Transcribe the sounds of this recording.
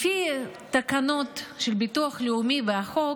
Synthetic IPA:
fit̪akanot̪ʃelbit̪uaχleumiveaχo

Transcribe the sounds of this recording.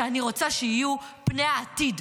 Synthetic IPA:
aniʁo̞t͡saʃeijupnejaːtid

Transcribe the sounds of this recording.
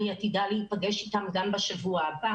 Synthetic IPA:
niat̪id̪aliipaɡeʃit̪amɡambaʃavuaba

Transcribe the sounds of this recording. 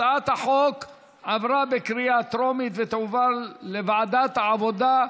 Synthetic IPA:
at̪haħok | avɾabekɾiat̪ɾomit̪vet̪uvalevaʕad̪at̪haʕavo̞d̪a

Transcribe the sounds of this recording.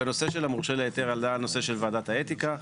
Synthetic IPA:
eno̞se̞ʃelamuʁʃeleːt̪eʁald̪aːlnose̞ʃelvaaːd̪at̪haet̪ika

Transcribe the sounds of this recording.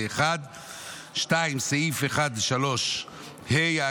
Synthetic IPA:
eχad̪ | ʃtaimsaifeχad̪leʃalo̞ʃ | heja

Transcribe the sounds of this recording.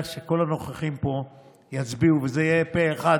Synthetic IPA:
ʃe̞ko̞lano̞χaχimpo̞ | jat͡sbiuvezeijepeːχa

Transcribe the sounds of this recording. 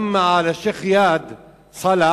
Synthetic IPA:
mːaʕalaʃeːxjaːd̪ | sˤɑla

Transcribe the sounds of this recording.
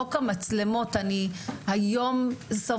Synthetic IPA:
okamat͡slemo̞t̪anihajo̞msa

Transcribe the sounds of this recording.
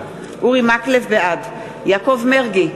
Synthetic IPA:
ʔuʁimaklevbead̪ | jakovmeʁɡi

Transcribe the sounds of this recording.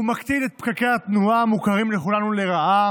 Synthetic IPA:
umakt͡sidet̪̚pkakejat̪nuaːmukaʁimleχulanuleʁaʔa

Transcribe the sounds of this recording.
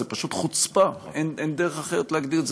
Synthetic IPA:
epaʃut̪χut͡spaenend̪eʁeχaχeʁet̪leaɡd̪iʁetz

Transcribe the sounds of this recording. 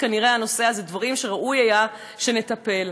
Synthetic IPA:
kaniʁe̞ano̞se̞azed̪vaʁimʃe̞ʁaʔujaja | ʃe̞ne̞t̪ɐpe̞l

